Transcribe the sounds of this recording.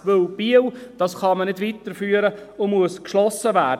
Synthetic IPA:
ʋɵlb̥iəwd̥ɑsχɑmənɪdvitəɾfyːəɾəʊmuəskʃlɔsəvæːd

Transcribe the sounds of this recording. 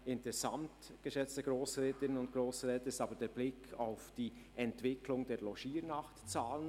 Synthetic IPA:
ʔɪntsamtɡ̥əʃɛt͡stəɡ̥ɾoːsʁɛːtɪnənʊntɡ̥ɾoːsʁɛːtəɪstɑːbədeːɾblɪkʰaʊfd̥iː | ʔɛntv̥ɪklʊŋdeːlɔʃiːɾnɑχtt͡saːlən

